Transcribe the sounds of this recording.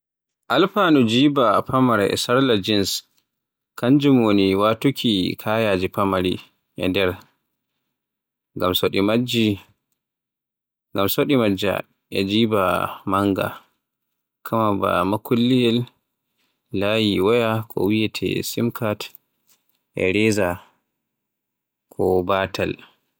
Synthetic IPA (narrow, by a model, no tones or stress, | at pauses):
ʔalfaːnud͡ʒiːbapʰamaɾ̰ʔɛ̰saɾlad͡ʒins | kand͡ʒimwoniwatukʰʲikʰajad͡ʒipamaɾi | ʔɛ̰ndɛɾ | ŋɡamsoɗimad͡ʒi | ŋɡamsoɗimad͡ʒa̰ | ʔɛd͡ʒiːbamaŋɡa̰ | kʰamaba̰makulːijɛl | ajiwajakʰɔ̰wijɛtʰɛ̰simkat | ʔɛ̰ɾɛːza | kʰɔbaːtal